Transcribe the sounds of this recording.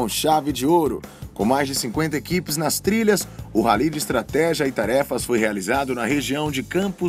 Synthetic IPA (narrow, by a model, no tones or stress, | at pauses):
ʃavɪd͡ʒɪoɾʊ̰kõ̰w̃majzd͡ʒɪsĩkwẽnt̪ɐekipɪznɐst̪ɾiʎɐsʊɦalid͡ʒɪːst̪ɾat̪ɛʒiɐɪt̪aɾɛfɐsfojhealizad̪ʊnɐɦeʒiɐ̃w̃d͡ʒɪkɐ̃pʊ